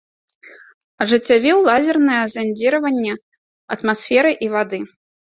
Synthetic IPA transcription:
ɐʐɨt͡sʲːavʲɛwlˠazʲɛrnɐjɛzanʲd͡zʲiɾɐvɐnʲːɛ | ɐt̪masfʲɛɾɨʔivad̪ɨ

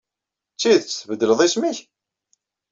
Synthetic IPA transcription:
t͡sːiðt͡sːəθvəd̪ːələðˤismiç

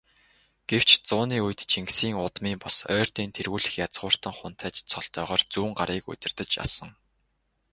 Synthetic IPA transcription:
ɡ̥ew̥t͡ɕt͡sʊːniːuj̆t̪t͡ɕʰiŋksiːŋʊt̪miːmpʊsœːrt̪iːnt̪ʰerɣuːɮɘ̆xjat͡sʁ̥ʊːr̥t̪ə̆ŋχʊn̥t̪ʰæːt͡ɕt͡sʰɔɮt̪œːʁœːrt͡suːŋɢaɾiːkɵ̰t̪ʲɪ̆rt̪ə̆t͡ɕa̰sə̆ŋ

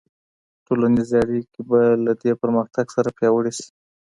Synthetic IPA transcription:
ʈolanizeaɽikebalad̪epəɾməxt̪aɡsaɾapjɑwəɽeʃi̥

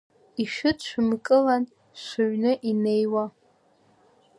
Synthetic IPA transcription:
iʃᶣɨtʃʷᶣmkʼɨlan | ʃʷʊɥnɨʔinejwa

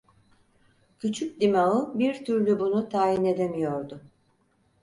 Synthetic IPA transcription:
cʰyt͡ʃʰyc̚d̪imaɯbiɾt̪ʰyɾlʲybunut̪ʰaːjine̞d̪e̞mijo̞ɾd̪ʊ

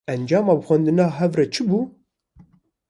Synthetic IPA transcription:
ɛnd͡ʒɑːmɑːbɨxʷɛnd̪ɨnɑːɦɛvrɛt͡ʃʰɨbuː

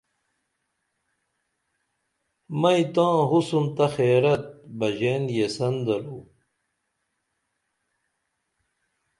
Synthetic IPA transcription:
mɐjit̪ãːɦusumt̪ɐxeːɾɐt̪̚bɐʑenjesɐnd̪ɐɾuː

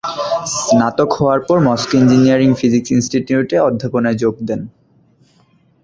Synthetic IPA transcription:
nat̪okhɔoaɾpɔɾmɔskind͡ʑiniaɾiŋfid͡ʑiksinsʈiʈiuʈeɔd̪ʱːaponad͡ʑoɡ̚d̪ɛn

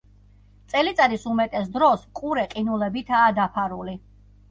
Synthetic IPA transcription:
t̪sʼɛlit̪sʼad̪isumɛt̪ʼɛsd̪ɾɔsqʼuɾɛqʼinulɛbit̪ʰaːd̪apʰaɾuli

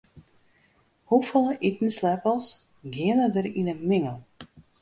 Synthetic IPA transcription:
hufəlˠəʔitn̩slɛpəlˠs | ɡiənədərinəmɪŋəlˠ

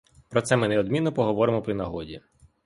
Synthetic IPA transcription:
pɾɔt̪sɛmɪnɛɔd̪mʲinːɔpɔɦɔʋɔɾɪmɔpɾinɐɦɔdʲi

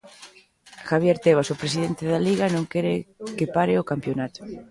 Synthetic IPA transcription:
xaβ̞jeɾt̪eβ̞asopɾesiðent̪ɪðaliɣanõŋkɛɾekɪpaɾɪʊkampjonat̪ʊ̥

